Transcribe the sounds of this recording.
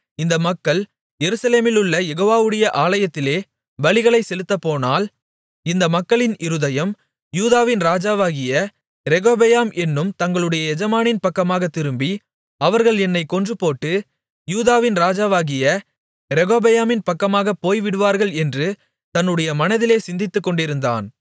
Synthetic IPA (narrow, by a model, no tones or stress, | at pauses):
ɪnd̪ɐmɐkːɐɭ | jɛɾɯsɐleːmɪlʊɭːɐjɛɣoːʋaːʋɯɽɐjɐʔaːlɐjɐt̪ːɪleː | ʋɐɭɪɣɐɭɐɪsɛlɯt̪ːɐpːoːnaːl | ɪnd̪ɐmɐkːɐɭɪnɪɾɯðɐjɐm | juːðaːʋɪnɾaːd͡ʒaːʋaːɣɪjɐ | ɾɛɣoːbɐjaːmʔɛnːɯmt̪ɐŋɡɐɭɯɽɐjɐɛd͡ʒɐmaːnɪnpɐkːɐmaːɣɐt̪ːɪɾɯmbi | ɐʋɐɾɣɐɭɛnːɐɪkːɔndrɯpoːʈːɯ | juːðaːʋɪnɾaːd͡ʒaːʋaːɣɪjɐ | ɾɛɣoːbɐjaːmɪnpɐkːɐmaːɣɐpːoːjʋɪɽɯʋaːɾɣɐɭɛndrɯ | t̪ɐnːɯɽɐjɐmɐnɐðɪleːsɪnd̪ɪt̪ːɯkːɔɳɖɪɾɯnd̪a̰ːn